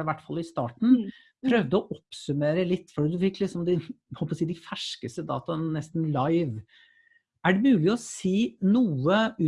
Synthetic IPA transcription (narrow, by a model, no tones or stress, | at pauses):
ɪʋæʈːfɑlːɪst̪ɑːʈɳ̩ | pʰɾœʋd̪əɔʔɔpsʉmeːɾəlɪt̪ːfɔɖiːd̪ʉfɪkːlɪksɔmd̪ɪhɔlpɔsiːd̪ɪfæʂkəst̪əd̪ɑ̰ːt̪ɑnɛst̪n̩lɑɪʋ | æɖɛmʉːlɪɔsiːnuːəʉː